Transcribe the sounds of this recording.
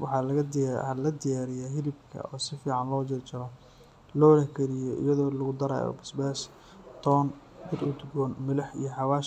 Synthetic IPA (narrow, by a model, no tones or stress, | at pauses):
wɑħɑːlɐɣɐd̪lɐd̪ɪjaːɾɪjaɦɪlɪbkʰɐ̰ʔɔːsɪfiːʕɑnlɔːt͡ʃɪrt͡ʃɪɾɔ | lɔːlɐhkʰɐɾɪjɔʔɪ̰jɐðɔːlɐɣʊd̪ɐɾa̰ːjɔ̰bɪsbɛːs | t̪ʰɔːn | bɪd̪ʊd̪ɡɔːnmɪlɐħḭjɔħɑwaːʃ